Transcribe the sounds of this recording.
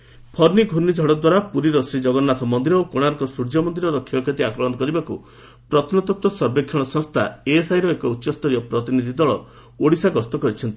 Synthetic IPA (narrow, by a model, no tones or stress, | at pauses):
pʰɔɾniɡʱuɾnid͡ʒʱɔɽɔd̪waɾapuɾiɾɔsɾid͡ʒɔɡɔnːat̪ʰɔmɔnd̪iɾɔokoɽ̃aɾɔkɔsuɾd͡ʒɔmɔnd̪iɾɔɾɔkʰːjɔɔkʰet̪iakɾɔmɔnɔkɔɾibaku | pɾɔt̪ʰɔnɔt̪ɔt̪wɔsɔɾbekʰːɔɭ̃ɔsɔŋst̪ʰaesaɦjɾɔekɔutːʃɔst̪ɔɾijɔpɾɔt̪inid̪ʱid̪ɔɭɔ | oɽisaɡɔst̪ɔkɔɾit͡ʃʰɔnt̪i